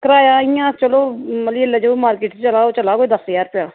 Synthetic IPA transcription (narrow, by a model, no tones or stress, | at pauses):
kəɾaːjaːijãːt͡ʃəloːməlieləd͡ʒoːmaːɾkɪːʈːt͡ʃəlaːoːt͡ʃəlaːkod̪əsəjaːɾpjaː